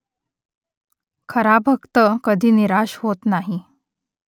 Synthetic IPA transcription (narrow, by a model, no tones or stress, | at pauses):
kʰəɾabʱəkt̪əkəd̪ʱiːniɾaɕhot̪naɦi